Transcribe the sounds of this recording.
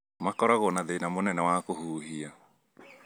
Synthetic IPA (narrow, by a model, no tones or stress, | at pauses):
makɔɾaɣɔnaðeinamonɛnɛwakohuːɦia